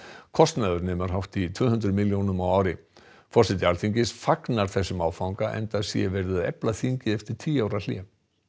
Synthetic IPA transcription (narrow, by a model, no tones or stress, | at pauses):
kʰɔst̪naːðʏɾnɪːmaɾ̥ɦawht̪it̪ʰv̥ʏːhʏnt̪ɾʏmiljownʏmawaːwɾɪ | fɔrsɛt̪ɪalθiɲcɪsfaknaɾ̥θɛsːʏmaːwfawŋkaʔɛ̰nt̪asjɛvɛɾðʏðɛ̰plaθiɲcɪɛft̪ɪɾ̥t̪ʰiːaːwɾal̥jɛ̰